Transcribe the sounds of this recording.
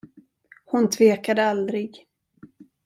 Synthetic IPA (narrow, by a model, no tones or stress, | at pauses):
hʊnt̪ʰveːkad̪əald̪ɾɪɡ